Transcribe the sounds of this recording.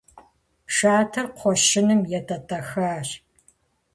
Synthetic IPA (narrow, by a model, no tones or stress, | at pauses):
pʂaːtʰɨrqʷʰɔʃɪnɨmjɛtʼɐtʼɐxaːɕ